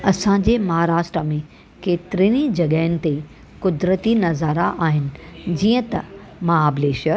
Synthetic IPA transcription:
ɐsã̆d͡ʑeːmɐɦaːɾaːʃʈɾəmẽ | keːt̪ɪɾiːnid͡ʑɐɠəɪnɪ̆t̪e | kʊd̪ɾət̪inɐzaːɾaʔaːɦɪnɪ̆d͡ʑiːə̃t̪ɐmɐɦaːbleːʃəɾ

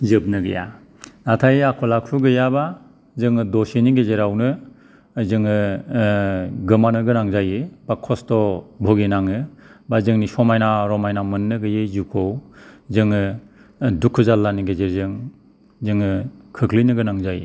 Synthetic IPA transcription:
zɯp̚nɯɡḛja̰ | natʰajeakʰɔlakʰuɡɯjaba | zɯŋɯdɔseniɡezeɾawnɯ | zɯŋɯ | ɡɯmanɯɡɯnaŋzajɯbakʰɔstɔbʱɔɡenaŋɯbazɯŋnisɔmajnaɾɔmajnamɯnːɯɡɯjezukʰowzɯŋɯ | dukʰːɯzalːaniɡezeɾzɯŋ | zɯŋɯkʰɯkʰlinɯɡɯnaŋzaj̰

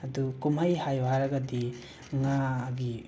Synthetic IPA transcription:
ɐdukumajhajwaɾɐɡɐdi | ŋaɡi

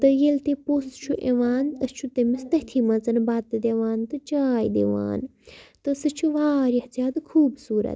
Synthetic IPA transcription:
t̪ɨjelt̪epoːst͡ʃʰuʔeʋaːnɐst͡ʃʰut̪ɐmist̪ɐt̪ʰimɐt͡sɐnbaːt̪ːɨd̪eʋaːnt̪ɨt͡ʃaːjd̪ḛʋa̰ːnt̪ɨsɨt͡ʃʰuʋaːɾɐht͡sjaːd̪ɨkʰuːbsuːɾɐ̰t̪

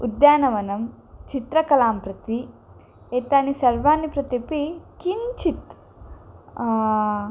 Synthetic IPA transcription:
ud̪jaːnɐʋɐnɐm | t͡ʃit̪ɾɐkɐlaːmpɾɐt̪i | eːt̪aːnisɐɾʋaːnipɾɐt̪ipikint͡ʃʰit̪

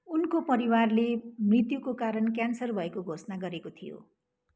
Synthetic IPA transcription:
unkopʌɾiwarlemrit̪jukokaɾʌnkjansʌrbʱʌekoɡʱosnaɡʌɾekot̪ʰijo̰

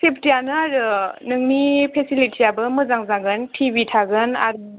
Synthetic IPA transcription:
sepʰtijanɯaɾɯnɯŋnipʰesilitʰijabɯmɯzaŋzaɡɯntʰibitʰaɡɯna̰ɾ

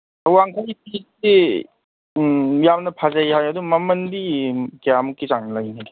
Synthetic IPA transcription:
awaŋkʰajt̚isi | jamnɐpʰazajɦajadumɐmɐnbikeamukːizaŋnlajnaɡe

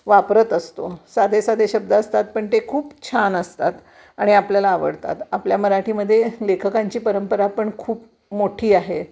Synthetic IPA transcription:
ʋapɾət̪əst̪osad̪ʱesad̪ʱeɕəb̚d̪əəst̪at̪̚pəɳt̪ekʰuːpt͡ɕʰanəst̪at̪ | aɽ̃iapljalaːʋə̰ɽt̪a̰t̪apljaməɾaʈiːməd̪ʱːjelekʰəkaɲt͡ɕiːpəɾəmpəɾapəɳkʰuːp | moʈʰiːaɦe

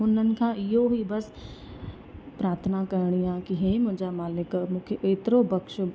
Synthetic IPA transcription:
ʊn̤ənɪ̆kʰãɪɦoɦibɐs | pɾaːɾt̪ʰənakɐɾɽ̃ijãkiɦeːmʊ̃ɦɪ̃ɲd͡ʒamaːlɪkmʊkʰəʔeːt̪ɾobɐkʃ

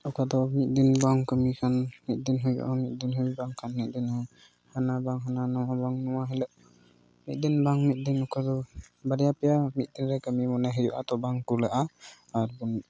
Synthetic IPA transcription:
ɔkʰad̪ɔmit̪̚d̪inbaŋkəmikʰanmit̪̚d̪inɦujba̰ʔɔmit̪̚d̪inɦujbaŋkʰanmit̪̚d̪inhaŋ | hanabaŋɦananɔɔbaŋnɔwaɦɛlɛʔ | mit̪̚d̪inbaŋmit̪̚ˀd̪inɔkʰad̪ɔbaɾijapɛjamit̪̚d̪inɾɛkəmimɔnɛɦɛd͡ʒuʔa̰t̪ɔbaŋkulɛʔa | aɾbuni

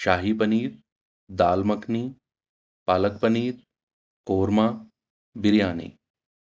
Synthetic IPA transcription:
ʃaːɦipɐniːt̪̚ | d̪aːlmɐkniː | paːlək̚pɐniːt̪̚ | koːɾmaː | biɾjaːnḛː

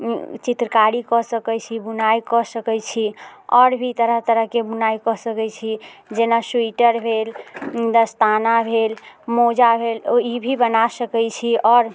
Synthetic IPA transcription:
t͡ʃit̪ɾəkaɾikɔsəkɛt͡ʃʰibunajkɔsəkɛt͡ʃʰiɔɾbʱit̪əɾəɦt̪əɾəɦkebunajkɔsəkɛt͡ʃʰid͡ʒenasuiʈəɾbʱeld̪əst̪anabʱelmod͡ʒabʱelibʱibənasəkɛjt͡ʃʰiɔːɾ

